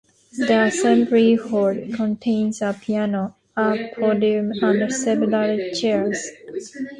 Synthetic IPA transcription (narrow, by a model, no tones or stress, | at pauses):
d̪iəsɛ̃mbɹihɔɹdkʰɔ̃ntʰẽɪ̃nzəpʰiæno | əpʰɔdijũmãndəsɛlulaɹit͡ʃɛɹz